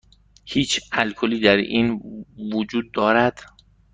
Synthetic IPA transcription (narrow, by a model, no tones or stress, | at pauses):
hiːt͡ʃʰælkʰoliːd̪æɾiːnvod͡ʒuːd̪̚ːɒːɾæd̪̥